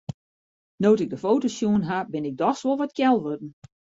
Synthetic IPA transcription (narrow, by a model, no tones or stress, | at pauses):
noːtɪɡ̚dəfoːtosjuənɦabɪnɪɡ̚dɔxswolˠʋɔt̚kjɛlˠʋødn̩